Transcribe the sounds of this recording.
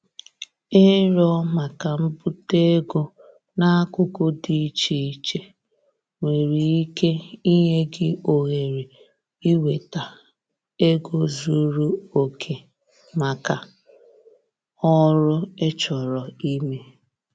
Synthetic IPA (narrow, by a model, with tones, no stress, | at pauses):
e˦ɾɔ˦ma˨ka˨m̩˦bu˦te˦ɡo˦ | na˦a˦kʊ˦kʊ˦di˦t͡ʃi˨i˦t͡ʃe˦ | ŋʷe˨ɾi˨i˦ke˦i˦ɦe˦ɡɪ˦o˨ɣe˨ɾi˨ | i˦we˨ta˨ | e˦ɡo˦zu˦ɾu˦o˨kʰe˨ | ma˨ka˨ | ɔ˦ɾʊ˦e˦t͡ʃɔ˨ɾɔ˨i˦me˦